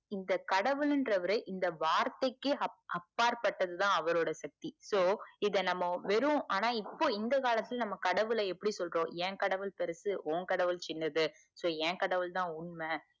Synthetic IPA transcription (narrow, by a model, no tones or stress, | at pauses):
ɪnd̪ɐkɐɽɐʋɯɭɪndrɐʋɐɾɯʔɪnd̪ɐʋaːɾt̪ɐɪkːɯɐɐpːaːɾpɐʈːɐðɯt̪ãːɐʋɐɾoːɽɐsɐk̚t̪isoːɪðɐnɐmːɐʋɛɾɯʋʊ̃ʔaːnaːɪpːoːɪnd̪ɐkaːlɐt̪ːɪlnɐmːɐkɐɽɐʋɯlɐɛpːɐɽisɔlɾõːɛ̃ːkɐɽɐʋɯɭpɛɾɐsɯʔoːŋkɐɽɐʋɯlt͡ʃɪnːɐðɯ | soːɛ̃ːkɐɽɐʋɯlt̪ãːʊɳmɐ